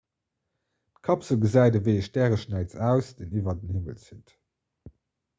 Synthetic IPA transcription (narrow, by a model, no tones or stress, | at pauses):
tkʰɑpsəlɡəzæɪdəveɪəʃdæːʁəʃnæɪt͡sæːʊsd̥eːnivɐdənhimə̰lsit